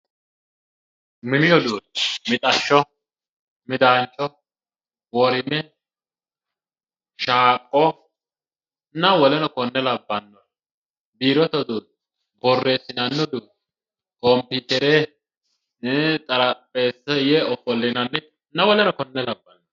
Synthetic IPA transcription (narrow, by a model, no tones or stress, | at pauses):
mɪmɪjɔd̪uːmɪt̪ʼɐʃːɔ | mɪd̪aːnt͡ʃʼːɔ | wɔɾɪnːɛ | ʃaːkʼːɔ | nɐwɔlɛnɔkɔnːɛlɐbːɐnːɔn | biːɾɔt̪ɔd̪ut̪ | bɔrːe̞ːsːɪnɐnːɔd̪uː | kɔmpikɛɾe | t̪ʼɐɾɐpʼːeːsɛjɛɔfɔlːɪnɐnːɛ | nɐwɔlɛnɔkɔnːɛlɐbːɐnːɔ